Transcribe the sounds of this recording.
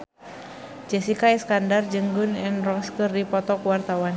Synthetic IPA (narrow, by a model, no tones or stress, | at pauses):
d͡ʒɛsikaɛskandard͡ʒəŋɡunɛnrɔŋskərdipɔt̪ɔkwart̪awan